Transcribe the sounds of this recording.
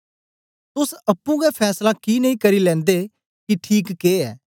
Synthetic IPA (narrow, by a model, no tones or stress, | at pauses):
t̪ʊsəpːũːɡɛpʰɛːslakiːnəĩkəɾiːlɛ̃ːnd̪eː | kiʈʰiːkːeːɛː